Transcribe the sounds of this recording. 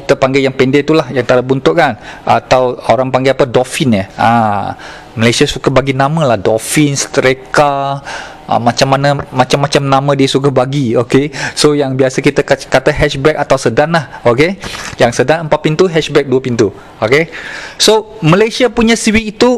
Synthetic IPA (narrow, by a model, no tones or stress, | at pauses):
kit̪əpaŋɡɛjaŋpɛndet̪ulahjaŋt̪aɾəbunt̪ʊʔkanʔat̪awoɾaŋpaŋɡeapədofinjəa̰ | məlesiasukabaɡinamə̃lahdofɪnsə̥t̪ɾeka | ə̰mat͡ʃamːanamat͡ʃamːat͡ʃamnamə̃diəsukabaɡiokesojaŋbiasəkit̪əkkat̪aɦɛʃbɛk̚at̪awsədanlahokejaŋsədanəmpat̪̚pint̪uɦɛʃbɛk̚duəpint̪u | okesoməlasiapuɲãsiwiːt̪u